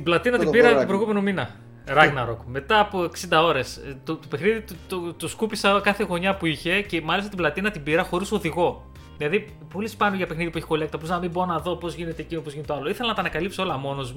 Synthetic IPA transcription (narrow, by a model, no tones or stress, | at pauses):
t̪iblɐt̪inɐt̪ibiɾɐt̪opɾojɣume̞nominɐ | ɾɐɣnɐɾo̞kme̞t̪ɐːpo̞eksind̪ɐo̞ɾe̞st̪ot̪ope̞xniðit̪t̪ot̪uskupisɐkɐθe̞ɣoɲɐpuiçe̞ce̞mɐlisɐt̪blɐt̪inɐt̪ibiɾɐxo̞ɾiso̞ðiɣo̞ | ðilɐði | po̞lispɐnuʝɐpe̞xniðipueçi̥ko̞liɐkt̪ɐpoznɐmiboɾonɐðo̞po̞zʝine̞t̪ecinopozʝinet̪oɐlo̞iθelɐnɐt̪ɐːnɐkɐlipsoo̞lɐmo̞no̞zm